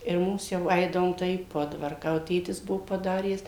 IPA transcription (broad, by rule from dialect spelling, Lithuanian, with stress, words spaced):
ɪr ˈmʊms ˈjɛʊ ˈɐɪdɐʋoːm tɐɪ iː ˈpoːdʋɐrkɑː jɛʊ ˈtʲeːtʲɪs ˈbuɔ pɐˈdɑːrʲæːs